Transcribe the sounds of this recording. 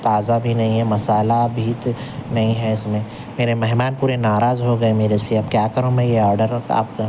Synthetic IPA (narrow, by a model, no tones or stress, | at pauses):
t̪aːzabʱinɐɦĩɦɛmɐsaːlabʱiːt̪ | nɐɦĩɦɛɪsmẽ | meːɾemɛɦmaːnpuːɾenaːɾaːzɦoɡɐemeːɾeseɐb̚kjaːkɐɾõmɛ̃jeaːɾɖəɾa̰ːp̚ka